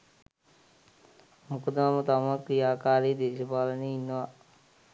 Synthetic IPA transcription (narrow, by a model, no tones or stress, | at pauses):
mukəd̪əamət̪aməkɾijaːkaːɾeːd̪eːʃəpaːləneːinːəʋa